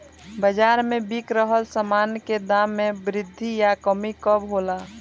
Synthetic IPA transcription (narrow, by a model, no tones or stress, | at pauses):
bəd͡ʒaːɾmẽbikɾəɦəlsəmaːnked̪amːẽbɾɪd̪ʱːijakəmikəbɦola